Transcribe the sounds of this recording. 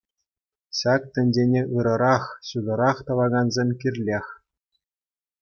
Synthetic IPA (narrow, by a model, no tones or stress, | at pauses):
ɕɑk̚t̪ʲɘ̆nʲdʲenʲeʔɯɾɤ̆ɾɑχɕud̪ɤ̆ɾɑχt̪ɤ̆lɑɡɑnzʲemʲkʲirʲlʲexʲ